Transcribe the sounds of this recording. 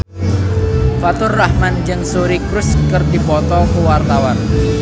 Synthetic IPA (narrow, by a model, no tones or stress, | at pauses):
fat̪ʊrːahmand͡ʒɨŋsoɾikɾʊskərdipɔt̪ɔkuwart̪awan